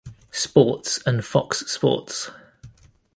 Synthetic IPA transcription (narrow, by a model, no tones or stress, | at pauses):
spɔˑtsə̃nfɒkspɔ̰ˑts